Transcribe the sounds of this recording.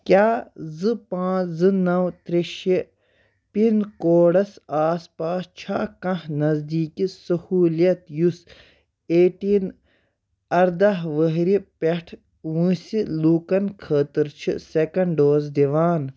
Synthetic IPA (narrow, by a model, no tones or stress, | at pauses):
kʲjaːzɨpãːzɨnɐwt̪ɾeʃi | pinkoːɽɐsaːspaːst͡ʃʰaːkɐ̃ɦnɐzd̪iːkisɐhuːlijɐt̪jus | eːʈiːn | ɐɾd̪aɦʋəɦɾipeʈʰ | wũːsiluːkɐnkʰəːt̪iɾt͡ʃʰḭsekɐɳɖɖoːzd̪iʋaːn